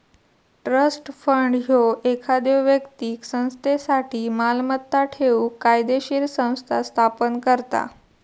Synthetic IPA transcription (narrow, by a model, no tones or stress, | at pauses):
ʈɾəsʈfəɳɖɦjoʔekʰad̪eʋʋjəkt̪iːksə̃w̃st̪esaʈʰiːmalmət̪ːaʈʰeuːkajd̪eɕiɾsə̃w̃st̪ʰast̪ʰapənkəɾt̪a̰